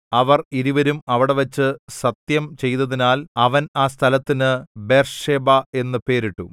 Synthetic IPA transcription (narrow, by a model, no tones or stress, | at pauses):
ɐʋɐriɾiʋɐɾumɐʋiɽe̞ʋɐt͡ɕːɨsɐt̪jɐmt͡ɕe̞jt̪ɐðinaːlɐʋɐnaːst̪ʰɐlɐt̪ːinɨbe̞ːrʂeːbae̞nːɨpe̞ːɾiʈːu